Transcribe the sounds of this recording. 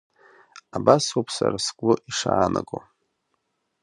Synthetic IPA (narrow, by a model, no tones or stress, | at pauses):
abasopʰsaɾaskʷʼʊʔiʂaːnʔakʼo